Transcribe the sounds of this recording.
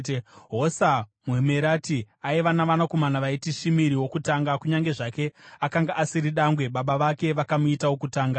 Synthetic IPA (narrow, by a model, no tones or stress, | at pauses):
ɦosamuemeɾaːti | aiʋanaʋanako̞manaʋaitiʃimiɾiwo̞kutaŋɡakuɲaŋɡe̞ʐake̞akaŋɡaʔasiɾiɗaŋɡwe̞ɓaɓaʋake̞ʋakamuitawo̞kutaːŋɡa